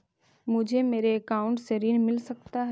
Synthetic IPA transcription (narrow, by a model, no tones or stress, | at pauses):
mʊ̃d͡ʑʱemeːɾeɐkaːʊ̃ɳʈseɾiːnmɪlsɐk̚t̪aɦ